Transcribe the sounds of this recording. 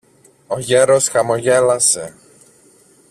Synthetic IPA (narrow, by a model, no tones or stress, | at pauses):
oʝeɾosxɐmoʝelɐse